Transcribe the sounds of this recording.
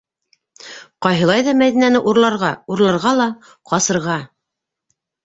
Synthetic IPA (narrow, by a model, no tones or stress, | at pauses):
qɑjɦɤ̆lˠɑjðɑmæðinænɘʔuɾlˠɑɾʁɑuɾlˠɑɾʁɑlˠɑ | qɑsɤ̆ɾʁɑ